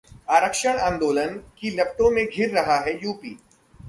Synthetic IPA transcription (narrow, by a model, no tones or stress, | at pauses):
aːɾəkʃəɽ̃ãːnd̪oːlənkilɐbt̪õmẽɡʱɪɾːɐɦaɦɛjuːpḭː